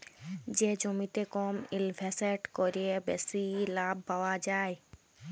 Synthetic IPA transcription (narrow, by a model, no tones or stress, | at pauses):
d͡ʒed͡ʒomit̪ekoːmɪlbʱɛseʈkoɾebesilaːbːaʋad͡ʒaːj